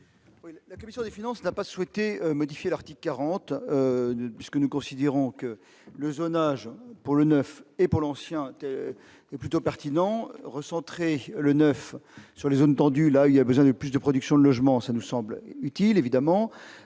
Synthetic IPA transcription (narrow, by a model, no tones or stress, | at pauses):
wilakɔmisjɔ̃d̪efinɑ̃snapaswɛt̪eømɔd̪ifjelaʁt̪ikkːaʁɑ̃t̪øpɥiskənukɔ̃sid̪eʁɔ̃kə | ləzonaʒpuʁlənœfepuʁlɑ̃sjɛ̃t̪ɛ | ɛplyt̪opɛʁt̪inɑ̃ʁəsɑ̃t̪χelənœfsyʁlezont̪ɑ̃d̪ylailabəzwɛ̃d̪əplysd̪əpχɔd̪yksjɔ̃d̪əlɔʒmɑ̃sanusɑ̃blyt̪ilevid̪amɑ̃